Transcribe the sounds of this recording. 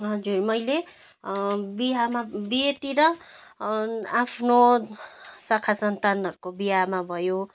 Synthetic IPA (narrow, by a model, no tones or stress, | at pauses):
ɦʌd͡zurmʌjle | biɦamabiet̪iɾʌ | apʰno | sakʰasʌnt̪anʌɾukobiɦamabʱʌjo